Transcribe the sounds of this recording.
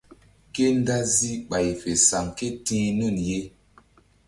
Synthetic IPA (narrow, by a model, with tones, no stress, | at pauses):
ke˦n˦da˦zi˦ɓa˨jfe˨sa˨ŋke˦tĩ˦nu˦˨nje˦